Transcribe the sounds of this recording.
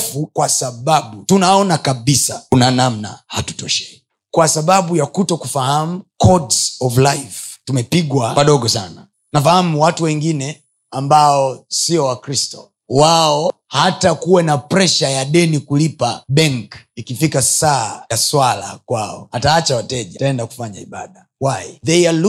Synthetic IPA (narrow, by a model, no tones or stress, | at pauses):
fukwasaɓaɓutunaɔnakaɓisaunanamna̰hatu̥tɔʃɛ̥ | kwasaɓaɓujakutɔkufahamukʰɔdsɔvlaiftumɛpiɡwapaɗɔɡɔsana | nafahamuwatuwɛŋɡinɛ | ambaɔsiɔwakɾistɔ̰ | waɔhatakuwɛnapɾɛʃajaɗɛnikulipaɓɛŋkikifikasajaswala̰kwaɔ̰ataat͡ʃawatɛʄataɛndaku̥faɲaiɓaɗa | waiðɛal